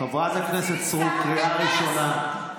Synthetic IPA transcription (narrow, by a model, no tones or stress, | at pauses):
avazaknɛset̪sʁut̚kɾiaɾiʃona